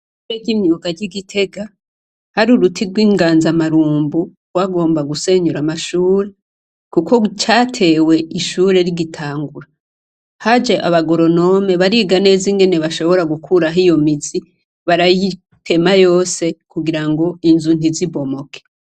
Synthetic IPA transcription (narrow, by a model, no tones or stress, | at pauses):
ʃuɾeɟimɲuɡaɾɟiɡitʰe̞ɡa | haɾuɾutʰiɡwiːŋɡaːnzamaɾuːmbu | ɡwaɡo̞ːmbaɡuse̞ɲuɾamaʃuːɾe̞ | kukʰot͡ʃaːtʰe̞we̞ʔiʃuɾe̞ɾiɡitʰaːŋɡuɾa | had͡ʒeʔa̰βaɡo̞ɾo̞no̞me̞βaɾiɡane̞ziŋɡe̞ne̞βaʃo̞βo̞ɾaɡukʰuɾaɦijo̞mizi | βaɾaji | tʰe̞majo̞ːse̞kuɡiɾaŋɡo̞inzun̥iziβo̞mo̞kʰe̥